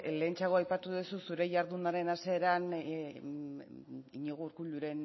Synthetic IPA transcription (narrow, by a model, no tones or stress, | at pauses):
le̞ːnt͡ʃaɣ̞o̞ajpat̪uðususuɾe̞jaɾðunaɾe̞nase̞ːɾan | iɲeɣ̞uɾkuʎuɾe̞n